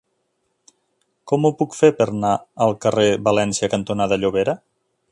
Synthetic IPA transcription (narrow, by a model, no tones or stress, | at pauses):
kɔmupukfepəɾnaəlˠkəreβalɛnsjəkənt̪unaðəʎuβ̞eɾə